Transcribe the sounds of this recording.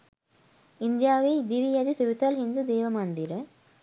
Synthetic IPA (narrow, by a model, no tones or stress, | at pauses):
ind̪jaːʋiːd̪iʋijɐd̪isuʋisɐlɦind̪ud̪eːʋɐmɐnd̪iɾɐ